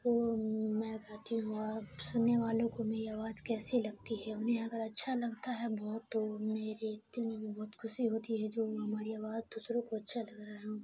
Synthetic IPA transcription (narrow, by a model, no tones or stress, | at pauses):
t̪oːmɛ̃ɡaːt̪iɦũɔsʊnːeʋaːlõkomeːɾiaːʋaːzkɛːselɐɡ̚t̪iɦɛʊnɦẽɐɡəɾɐtːʃʰalɐɡt̪aɦɛbɔːt̪ːomeːɾed̪ɪlmẽbʱibɔːt̪xʰʊʃiɦoːt̪iɦɛd͡ʒoːɦɐmaːɾiaːʋaːzd̪usɾõkoɐtːʃʰalɐɡɾaɦɦũ